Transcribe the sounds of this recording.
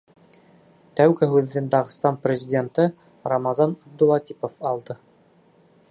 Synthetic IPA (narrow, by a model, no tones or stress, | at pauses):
t̪æwɡɘɦʉðːɘnd̪ɑʁɤ̆st̪ɑnprʲɪzʲɪdʲent̪ɤ | ɾɑmɑzɑnɑb̚d̪ulˠɑt̪ʲipofɑlˠd̪ɤ